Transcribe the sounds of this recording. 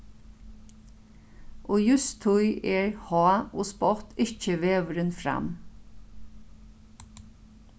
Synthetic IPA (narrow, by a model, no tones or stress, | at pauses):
ʔoːjʉst̪ʰʊjʔɛɹhɔːoːspɔt̪ɪt͡ʃəʋeːʋəɾɪnfɾa̰m